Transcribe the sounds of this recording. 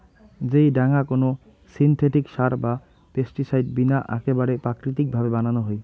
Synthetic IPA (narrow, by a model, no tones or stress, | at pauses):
d͡ʑejɖaŋakono | sint̪ʰeʈikʃaɾba | pesʈisajɖbinaʔɛ̰kebaɽepɾakɾit̪̬ik̚bʱabebananoɦoj